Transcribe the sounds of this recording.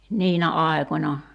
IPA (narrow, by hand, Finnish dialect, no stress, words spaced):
niːnæ ɑi̞konʲɑ